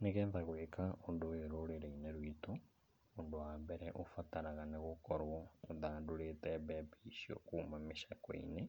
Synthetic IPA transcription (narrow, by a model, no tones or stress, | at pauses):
neɣɛːnðaɣwekaondoweɾoɾeɾeineɾwito | ondowaːmbɛɾɛʔofataɾaɣaneɣokɔɾwɔoðaːndoɾetɛbɛpiʃiɔ̰kuːmameʃakɔ̰ḭne